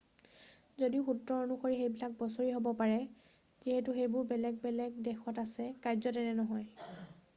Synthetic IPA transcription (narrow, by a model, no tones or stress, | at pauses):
zodiʊxutɹɔɔnuxoɹixejbilak̚bɔsoɹiɦobɔpaɹɛ | ziɦɛtuxejbʊɹbɛlɛɡ̚bɛlɛɡdɛxʰɔtasɛkajzɔtɛnɛnɔɦɔj